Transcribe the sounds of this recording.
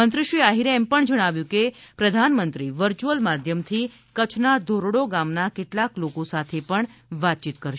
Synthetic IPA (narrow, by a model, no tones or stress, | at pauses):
ənt̪ɾiʃʋiaɦiɾɛmpəɳd͡ʒəɽ̃aʋjũkepɾəd̪ʱanmənt̪ɾiʋəɾt͡ʃuəlmad̪ʱjəmt̪ʰi | kət͡ʃʰnad̪ʱoɾoɽoɡamnakeʈlaklokosat̪ʰepəɳʋat̪̚t͡ʃit̪kəɾʃ